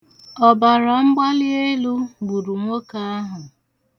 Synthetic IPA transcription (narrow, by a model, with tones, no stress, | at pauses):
ɔ˨ba˨ɾɔ˨ŋ͡m̩˦ɡ͡ba˦lɪ˦e˦lu˦ɡ͡bu˨ɾu˨ŋʷo˦ka˦a˦ɦʊ˨